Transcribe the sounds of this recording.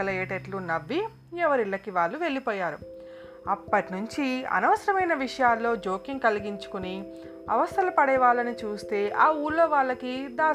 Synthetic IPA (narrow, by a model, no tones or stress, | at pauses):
ɐlɐeːʈeʈlunɐbːi | ɛʋɐɾiɭːɐkiʋaːɭːuʋe̞ɭːipɔːjaːɾṵ | ɐpːɐʈinuɲt͡ʃiɐ̰nɐʋɐsɐɾɐmɐjnɐʋiʂɐjaːlːo̞ːd͡ʒo̞ːkiŋkɐliɡiɲt͡ʃu̥kuni | ɐ̰ʋɐst̪ʰɐlɐpɐɽɛːʋaːlɐnit͡ʃuːst̪e̞ːʔaːuːɾlo̞ːʋaːɭːɐkid̪aː